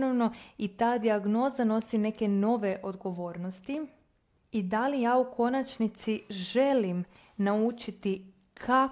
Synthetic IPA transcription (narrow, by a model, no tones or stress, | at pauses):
noʋno̞it̪aːd̪iaɡno̞zano̞sine̞ke̞no̞ʋe̞ʔo̞d̪ɡo̞ʋo̞ːɾnost̪i | id̪alijaːukʰo̞nat͡ʃnit̪siʒe̞lim | naut͡ʃit̪i | kʰa